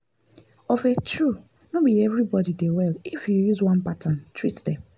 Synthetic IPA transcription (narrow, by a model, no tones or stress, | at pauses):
ɔfetʰɹu | nobiɛvɹibɔdidewɛlifjujuzwãnpatʰãntɹitdɛ̃